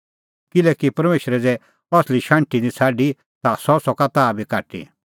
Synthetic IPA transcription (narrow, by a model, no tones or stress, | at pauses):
kɪlɛːkipɐɾmeːʃɾɛd͡zɛ | ɔsliʃãɳʈid̪it͡sʰaːɖi | t̪asɔsɔkat̪aːbʱikaːʈḭ